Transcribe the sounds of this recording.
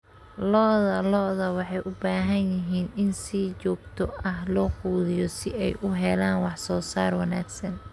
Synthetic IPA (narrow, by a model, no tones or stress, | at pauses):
lɔːðɐlɔːðɐwɑħɑjʔʊbaːɦɐnjɪɦiːnɪnsiːt͡ʃɔːɡ̚t̪ʰɔɐɦlɔːquːðɪjɔsɪɛjʔʊɦɛlaːnwɑħsɔːsaːrwɑnaːɡsɐn